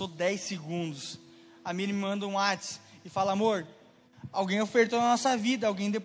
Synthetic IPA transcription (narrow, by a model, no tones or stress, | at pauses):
od̪ɛjseɡũnd̪ʊs | amĩnɪmɪmɐ̃nd̪ɐũat͡ʃɪ̥sɪfalɐamoɾ | awɡẽj̃ofeɾt̪onɐnɔsɐvid̪ɐawɡẽj̃d̪ep